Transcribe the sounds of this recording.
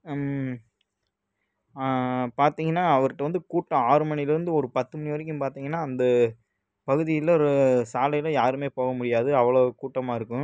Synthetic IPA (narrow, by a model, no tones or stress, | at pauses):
paːɾt̪iːŋɡɐnːaːɐʋɐɾʈːɯʋɐnd̪ɯkuːʈːɐ̃aːɾɯmɐnɪjɪlɪɾɯnd̪ɯɔɾɯpɐt̪ːɯmʊɳɪʋɐɾɪk̬ʲːɯmpaːɾt̪iːŋɡɐnːaːɐnd̪ɐ | pɐɣɯðɪjɪlɔɾɯsaːlɐjɪlɐ̃jaːɾɯmeːpoːɣɐmʊɽɪjaːðɯɐʋːɐɭɐkuːʈːɐmaːɪɾɯkːʊ̃